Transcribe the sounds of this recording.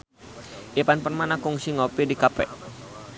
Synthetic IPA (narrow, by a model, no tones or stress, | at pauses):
ʔipanpərmanakuŋsiŋɔpidikapɛ